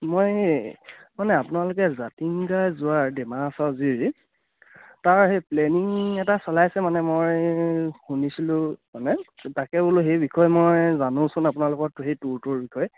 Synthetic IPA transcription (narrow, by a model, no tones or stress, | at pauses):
moj | manɛapʊnalʊkɛzatiŋɡazʊaɹdɛmasaʊziɹ | taɹɦepleniŋɛtasɔlajsɛmanɛmoj | hunisilʊ̃manɛtakɛbulʊxejbikʰɔjmojzanʊ̃sʊnapʊnalʊkɔɹtʊxejtuɹtʊɹbikʰɔj